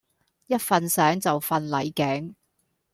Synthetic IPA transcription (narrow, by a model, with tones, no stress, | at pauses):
jɐ˥t̚fɐ˨nsɛː˨˥ŋt͡sɐ˨wfɐ˨nlɐ˨jkɛː˨˥ŋ